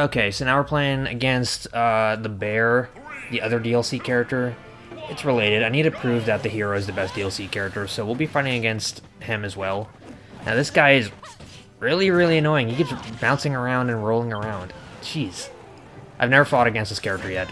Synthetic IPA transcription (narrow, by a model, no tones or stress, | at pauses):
oʊkʰeɪsoʊnaʊwə˞pʰl̥eɪɪ̃ŋɨ̰ɡɛ̃nst̚ʌðəbɛɹ | ðiʔʌðə˞diɛlˠsikʰɛɹɨk̚tə˞ | ɨtsɹəleɪɾɨɾaɪnid̚ɨpʰɹ̥ʉvðɨt̪̚ðɨhiɹoʊɨzðɨbɛsd̥iɛlˠsikʰɛɹɨk̚tə˞soʊwilˠbifaɪɾɪ̃ŋɨɡɛ̃nst̚ | hɪ̃mɨzwɛlˠ | naʊðɪsɡ̥aɪɨz | ɹɪlˠiɹɪlˠiɨnɔɪɪ̃ŋiɡɪvzbãʊ̃nsɪ̃ŋə˞ãʊ̃ndɨ̃nɹoʊlˠɪ̃ŋə˞ãʊ̃nd̥t͡ʃʰiz̥ | ʔaɪvnɛvə˞fɔɾɨɡɛ̃nst̪ðɪskʰɛɹɨk̚tə˞jɛt̚